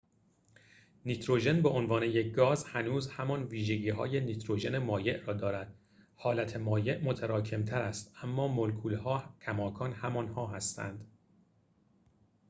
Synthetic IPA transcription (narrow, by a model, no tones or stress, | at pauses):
niːt̪ʰɾoʒe̞nbeʔonvɒːne̞jek̚ɡɒːzhænuːzhæmɒnviːʒeɟiːɦɒ̰ːjenit̪ʰɾoʒe̞ne̞mɒːje̞ʔrɒːd̪ɒːɾæd̪̥̚ | hɒːlæt̪ʰemɒːje̞ʔmot̪ʰæɾɒːcʰe̞mt̪ʰæɾæst̪ʔæmːɒːmolkʰuːlhɒːcʰæmɒːkʰɒːnhæmɒːnhɒːɦæst̪ʰæ̰nd̪̥